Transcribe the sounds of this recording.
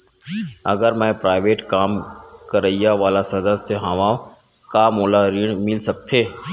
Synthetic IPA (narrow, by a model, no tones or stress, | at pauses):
ɐ̰ɡəɾmɛ̃ːpɾaːɪʋeːʈkaːm | kɐɾəijaʋaːlasɐd̪əseɦaʋã | kaːmoːlaɾiːɽ̃mɪlsɐk̚t̪ʰeː